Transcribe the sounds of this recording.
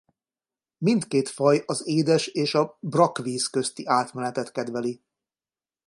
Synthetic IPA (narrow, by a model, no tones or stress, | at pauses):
mint̪keːt̪fɒjɒzeːd̪ɛʃeːʃɒbrɒkviːskø̞st̪iʔaːt̪mɛnɛt̪ɛt̪kɛd̪vɛli